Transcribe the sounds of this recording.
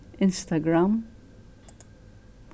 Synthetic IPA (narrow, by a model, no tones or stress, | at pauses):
ɪnst̪ɐɡɾɐm